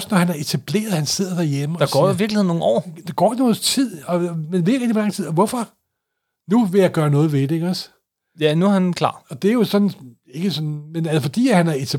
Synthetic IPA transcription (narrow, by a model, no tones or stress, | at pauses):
snɒhænæɐe̝t͡sʰæb̥le̝̰ːɐð̞̩ˠhænse̝ð̞̰ˠɐd̥æɐjemə̥ɑ̈ɡ̥ɒ̰ːjoiʋiɐɡliḛno̝ːn̩ɒ̰ːd̥ɑ̈ɡ̥ɒ̰̥ːno̝ːð̩ˠt͡sʰið̰ˠɒ̽menʋeʁɛɡd̥ilɑ̈ŋt͡sʰið̰ˠɒʋɒfɒ̽ | nuʋe̝jɑ̈ɪɡ̥ɶːɐnɔ̽ːð̞̩ˠʋe̝d̥ee̝ɡ̥ɒs | jænuhænkʰlɑ̰̈ːɒ̽d̥e̝æɐjo̝sɒ̥̽n̩ | e̝ɡ̥əsɒ̽nmenælsfɒ̽d̥ḭːæhænæɐe̝t͡sʰæ